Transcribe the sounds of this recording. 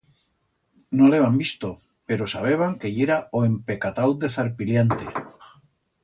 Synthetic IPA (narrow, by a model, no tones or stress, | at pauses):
nõleβambist̪o | peɾosaβ̞eβ̞aŋkeʎeɾaoempekat̪awd̪eθaɾpiljant̪ḛ